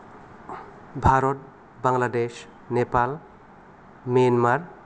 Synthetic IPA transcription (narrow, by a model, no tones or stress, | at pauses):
bʱaɾɔt̚ | baŋlades | nepal | menmaɾ